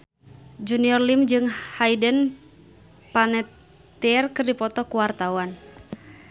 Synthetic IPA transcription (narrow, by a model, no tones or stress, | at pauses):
d͡ʒuniɔrlimd͡ʒɨŋhaidən | panɛt̪ː | iɛrkɨrdipɔt̪ɔkuwart̪awan